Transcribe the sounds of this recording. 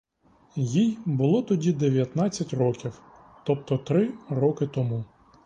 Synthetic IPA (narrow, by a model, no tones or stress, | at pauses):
jijbʊlˠɔt̪ɔdʲid̪eʋʲjɐt̪nɑt͡sʲːɐtʲrɔkʲiw | t̪ɔp̚t̪ɔt̪ɾɪɾɔkɪt̪ɔmu